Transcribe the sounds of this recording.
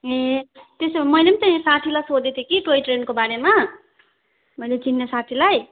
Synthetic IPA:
et̪esmʌjlemt͡sʌĩsat̪ʰilajsod̪et̪ʰekiʈojʈrenkobaɾema | mʌjlet͡sinːesat̪ʰilaj

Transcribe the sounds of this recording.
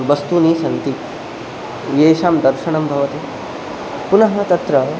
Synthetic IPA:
ʋɐst̪uniːsɐnt̪i | jeːʃaːmd̪ɐɾʃɐɳ̃ɐmbʱɐʋɐt̪e | punɐɦɐt̪ɐt̪ɾɐ

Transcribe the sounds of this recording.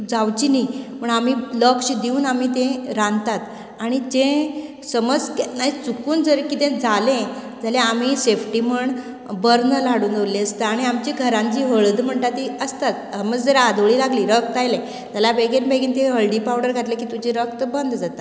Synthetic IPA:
d͡zawt͡ɕinim̤əɳamiləkɕd̪iuːnamit̪ẽɾãnt̪at̪ | aɽ̃id͡ʑẽ | səməd͡zkenaɦit͡sukuːnd͡zəɾkit̪ẽd͡zalẽ | d͡zalẽam̤isefʈim̤əɳ | bəɾnəlaɽuːnd̪oliəst̪aaɽ̃iamt͡ɕiɡʱəɾãɲt͡ɕiːɦəɭd̪m̤əɳt̪at̪iəst̪at̪̚əməd͡zd͡zəɾad̪ʋɭiːlaɡliːɾək̚t̪ajlẽ | t̪alabeɡenbʱeɡint̪ẽɦəlɖipawɽəɾɡʱat̪lekiːt̪ud͡ʑiɾəkt̪əbənd̪d͡zat̪a

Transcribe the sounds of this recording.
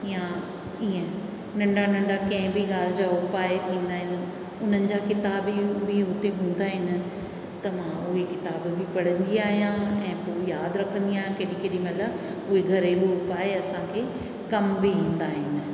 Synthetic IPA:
jã | iːẽ | nɐ̃ɳɖanɐ̃ɳɖakɐ̃ɦɪ̃bʱiɠaːl̤ɪd͡ʑaːʊpaːet̪ʰĩːnd̪aːɦɪnɪ̆ | ʊn̤ənɪ̆d͡ʑaːkɪt̪aːbibʱɪɦʊt̪eɦũːn̆d̪aːɦɪnɪ̆ | t̪ɐmãʊɦekɪt̪aːbbʱɪpɐɽ̤ə̃nd̪iaːɦijãɛ̃ːpoːjaːd̪ɾɐkʰə̃nd̪iaːɦjãkeːɗĩkeːɗĩmɐt̪ʰləb | ʊɦeɡʱɐɾebʱɪʊpaːeɐsãkʰeː | kɐmbiɦĩːn̆d̪aːɦɪnɪ̆

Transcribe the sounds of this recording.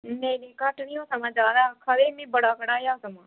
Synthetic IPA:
meːɾiːkəʈniːõːsəmãːd͡ʒaːd̪aːkʰaɾeːmẽːbəɽaːkəɽaːjaːsəmãː

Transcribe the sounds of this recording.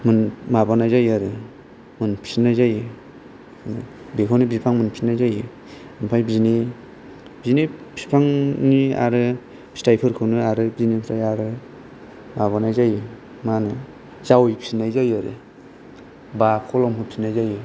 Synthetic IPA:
mɯnmabanajzajaɾɯ | mɯnpʰisnajzajɯ | bekʰawnibipʰaŋmɯnpʰisnajzajɯ | ɯnpʰajbizni | b̥iznipʰi̥pʰaŋnia̰ɾɯ | pʰi̥stajpʰɯɾkʰɯwnɯaɾɯbiznipistajaɾɯ | maβanajzajɯ | manɯ | z̥awjpʰisnajzajaɾɯ̰ | bakʰɔlɔmpʰɯpʰinajzajɯ

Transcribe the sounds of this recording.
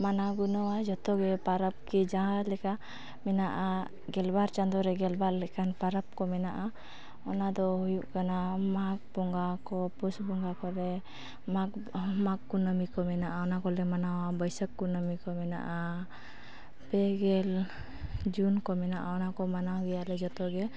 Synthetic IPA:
manaɡunɔwad͡ʒɔt̪ɔɡɛpaɾəp̚kid͡ʒãalɛka | mɛnaʔa | ɡɛlbaɾt͡ʃand̪ɔɾɛɡɛlbaɾlɛkanpaɾap̚kɔmɛnaʔa | ɔnad̪ɔhujuʔkanamak̚bɔŋɡakɔpusbuŋɡakɔɾɛ | mamakːunəmikɔmɛnaʔaɔnakɔlɛmanawabɔjsəkːunəmikɔmɛna̰ʔa | pɛɡɛl | d͡ʒunkɔmɛnaʔaɔnakɔmanaɡɛjalɛd͡ʒɔt̪ɔɡɛ

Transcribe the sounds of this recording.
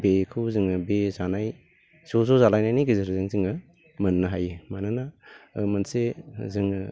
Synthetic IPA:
bekʰɯwzɯŋɯbezanaj | sozozalajnajniɡizaɾɯzɯŋzɯŋɐ | mɐnːɐɦajɯmananamɐnsezɯŋ

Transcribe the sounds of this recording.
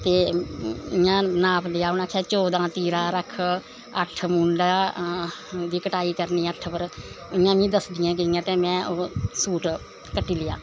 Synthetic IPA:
t̪eː | ɪjãːnaːpʰlɪjaːʊnãːkʰɛːt͡ʃɔːd̪ãːt̪iːɾãːɾəkʰ | əʈʰmuːɳɖaː | d̪iːkəʈaːiːkəɾniːəʈʰpəɾ | ɪjãːmĩːd̪əsd̪ɪjãːkɪɪjãːt̪eːmɛ̃ːʔoːsuːʈ | kəʈːiːlɪja̰ː

